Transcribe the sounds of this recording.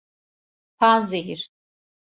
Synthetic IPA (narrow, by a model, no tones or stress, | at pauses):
pʰazejiɾ̥